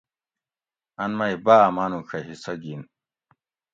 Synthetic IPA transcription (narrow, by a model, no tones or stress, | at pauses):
ɐnmɐibaːmaːnukʰɐɦisɐɡiːn